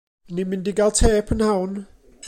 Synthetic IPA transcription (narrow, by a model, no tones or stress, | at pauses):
nɪmɪndɪɡalˠtʰɛpʰənhawn